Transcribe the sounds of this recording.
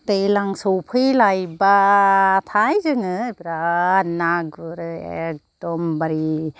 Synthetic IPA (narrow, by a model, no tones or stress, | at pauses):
tejlaŋsowpʰɯjlajbatʰajzɯŋɯbɾanaɡɯɾɯek̚d̥ɔmbaɾi